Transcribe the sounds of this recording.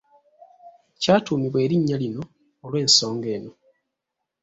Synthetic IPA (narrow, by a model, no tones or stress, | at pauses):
caːtuːmiβwe̞ːɾiɲːalino̞ː | lwe̞ːnso̞ːŋɡe̞ːno̞